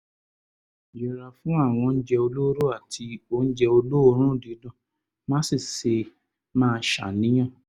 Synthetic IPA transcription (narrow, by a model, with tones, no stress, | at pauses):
d͡ʒi˨ɾa˨fũ˨˦a˦˨w̃ɔ̃˧n̩˦d͡ʒɛ˧o˧lo˦ɾo˦a˦˨tʰi˧o˧n̩˦d͡ʒɛ˧o˧lo˦o˧˦ɾ̃ũ˦˨di˨˦dɔ̃˦˨ | mã˦si˦˨se˧ | mãː˦˧˦ʃa̰˨nĩ˨˦j̃ã˦˨